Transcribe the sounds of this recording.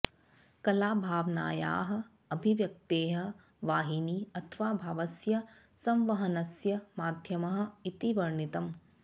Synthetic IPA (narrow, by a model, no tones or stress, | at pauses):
kɐlaːbʱaːʋna̰ːja̰ːɦɐ̆ | ɐbʱiʋjɐk̚t̪eːɦɐ̆ | ʋaːɦiniːɐt̪ʰʋaːbʱaːʋɐsjɐ | sɐmʋɐɦɐnɐsjɐmaːd̪ʱjɐmɐɦɐ̆it̪iʋɐɾɳit̪ɐm